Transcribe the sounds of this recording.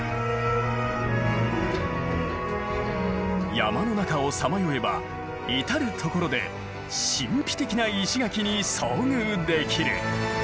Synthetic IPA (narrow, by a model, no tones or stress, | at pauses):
ja̰mano̞nakao̞samajoe̞ba̰ | it̪aɾɯ̟t̪ʰo̞ko̞ɾo̞d̪e̞̰ | ɕĩmpʲi̥t̪e̞kʲinaiɕiɡakʲiɲ̟iso̞ːɲɯːd̪e̞kʲiɾɯ̰